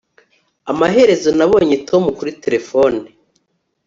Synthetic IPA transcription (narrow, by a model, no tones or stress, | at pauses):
amaɦe̞ɾe̞zo̞naβo̞ːɲetʰo̞mukuɾite̞ɾe̞fo̞ni